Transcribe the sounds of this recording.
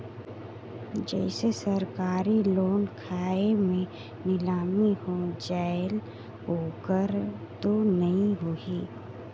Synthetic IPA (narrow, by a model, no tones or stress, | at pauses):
d͡ʒɛ̰ːɪsesəɾkaːɾiloːnkʰaːemẽ | nɪlaːmihod͡ʒaːɪl | ɦoːkəɾt̪onɐɦĩɦoiː